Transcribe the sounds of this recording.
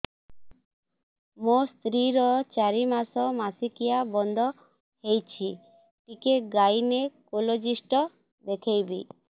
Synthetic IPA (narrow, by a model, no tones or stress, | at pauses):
most̪ɾiɾɔt͡ʃaɾimasɔmasikijabɔnd̪ʱɔ | hejt͡ʃʰi | ʈikeɡajnekolod͡ʒisʈɔ | d̪ekʰejbḭ